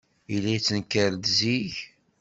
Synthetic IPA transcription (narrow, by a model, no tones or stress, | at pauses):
ilːæt͡sːənkəɾd̪ziʝ